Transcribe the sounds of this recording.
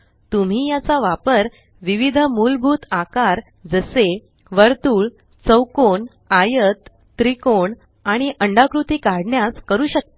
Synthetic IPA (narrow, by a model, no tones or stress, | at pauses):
t̪um̤iːjat͡saʋapəɾ | ʋiʋid̪ʱmulbʱuːt̪akaɾ | d͡zəse | ʋəɾt̪uːɭ | t͡səwkoɳ | ajət̪ː | ɾikoɳ | aɽ̃iʔəɳɖakɾut̪iːkaɽɳjaskəɾuːɕək̚t̪a